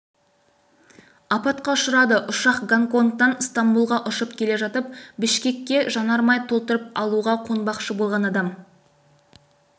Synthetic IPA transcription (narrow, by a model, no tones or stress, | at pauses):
ɑpɑt̪qɑʊʃʊɾɑd̪əʔʊʃɑqɡaŋko̞nt̪ːɑnst̪ambulˠʁɑʔʊʃəpkʲʰe̞le̞ʒɑt̪əp̚bɪʃkʲe̞kʲːe̞ʒɑnɑɾmɑjt̪ʰo̞lˠt̪əɾəp̚ɑlˠuʁɑqʰo̞nbɑqʃəbo̞lˠʁɑnɑd̪ɑm